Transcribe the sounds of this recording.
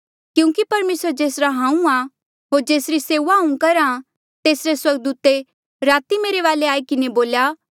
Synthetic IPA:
kjũːkipɐɾmeːsəɾd͡ʒeːsɾaɦãːũa | ɦoːɾd͡ʒeːsɾiseːuʋaɦũkɐɾã | t̪eːsɾeswɐɾɡ̚d̪uːt̪e | ɾaːt̪imeːɾeʋaːleaːikɪneboːlja

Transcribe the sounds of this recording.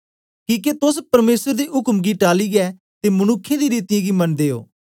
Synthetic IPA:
kĩːket̪ʊspəɾmeːsəɾd̪iːʔʊkmɡiːʈaːliːɡɛː | t̪eːmənʊkʰːed̪iːɾiːt̪ɪjãɡiːmɐnd̪eːo̰ː

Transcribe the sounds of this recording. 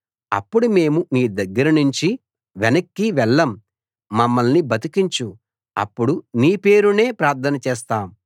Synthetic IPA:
ɐ̰pːuɽume̞ːmumiːd̪ɐɡːɐɾɐnuɲt͡ʃi | ʋɛnɐkːiʋɛɭːɐmː | ɐmːɐlnibɐt̪ikiɲt͡ʃu | ɐ̰pːuɽuniːpe̞ːɾune̞ːpɾaːɾt̪ʰɐnɐt͡ʃɛːst̪aːm

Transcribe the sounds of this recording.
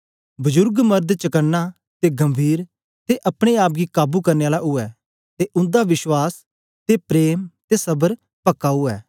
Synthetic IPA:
bɐzʊɾɡmɐɾd̪t͡ʃɐkənːa | t̪eɡɐmbʱiːɾ | t̪eʔɐpɽ̃eaːp̬̚ɡikaːbukɐɾneaːlaʔʊɛː | t̪eʔʊ̃nd̪aʋɪʃwaːs | t̪epɾeːmt̪esɐbəɾ | pɐkːaʊɛː

